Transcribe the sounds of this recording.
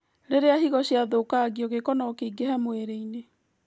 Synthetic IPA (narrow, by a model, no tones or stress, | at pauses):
ɾeɾeaɦiɣɔɕjaðokaɡiɔɣekɔnɔkeiɡehamoeɾeine